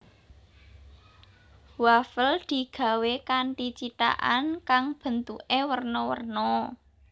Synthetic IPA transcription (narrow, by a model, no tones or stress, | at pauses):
wafəld̪̥i̤ɡ̥a̤wekaɳʈit͡ʃit̪a̰ʔankaŋb̥ə̤nt̪uʔewərnɔwə̰rnɔ